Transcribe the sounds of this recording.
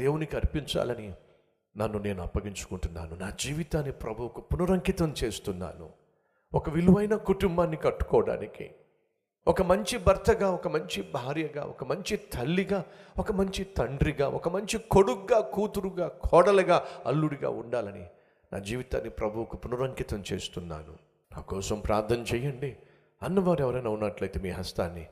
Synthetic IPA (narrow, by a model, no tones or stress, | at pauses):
d̪eːwunikɐɾpiɲt͡ʃa̰ːlɐni | nɐnːune̞ːnuɐ̰pːɐɡiɲt͡ʃu̥kuɳʈunːa̰ːnunaːd͡ʒiːʋit̪aːnːipɾɐbʱuwkupunuɾɐŋkit̪ɐmt͡ʃe̞ːst̪unːa̰ːnṵ | ɔkɐʋiluʋɐjnɐkuʈumbaːnːikɐʈːu̥kɔːɐɽa̰ːnikḭ | ʔɔkɐmɐɲt͡ʃibɐɾt̪ʰɐɡaːɔkɐmɐɲt͡ʃibʱaːɾjɐɡa̰ːʔɔkɐmɐɲt͡ʃit̪ʰɐlːiɡaːɔkɐmɐɲt͡ʃit̪ɐɳɖɾiɡa̰ːʔɔ̰kɐmɐɲt͡ʃikoɽukɡaːkuːt̪uɾuɡaːkʰɔːɽɐlɐɡaːɐ̰lːuɽiɡa̰ːuɳɖaːlɐnḭ | nʔa̰ːd͡ʒiːʋit̪a̰ːnːipɾɐbʱuwkupunuɾɐŋkit̪ɐmt͡ʃḛːst̪unːa̰ːnṵ | na̰ːkɔːsɐmpɾaːɾt̪ʰːɐmt͡ʃɛjɐɳɖi | ɐnːɐʋaːɾɛʋɐɾɐnɐwunːɐʈlɐjt̪emiːɦɐst̪a̰ːnːi